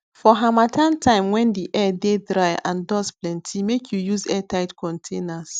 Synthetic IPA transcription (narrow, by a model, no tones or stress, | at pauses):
fɔɦamatʰãntʰãɪ̃mwɛ̃ndiʔɛdedɹaɪã̰ndɔsplɛ̃ntʰimekʰjujuzɛtʰaɪtkɔ̃ntʰẽnas